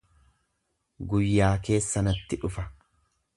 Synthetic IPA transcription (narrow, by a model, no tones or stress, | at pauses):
ɡʊjːaːke̞ːsːɐnɐt̪ːɪᶑʊfɐ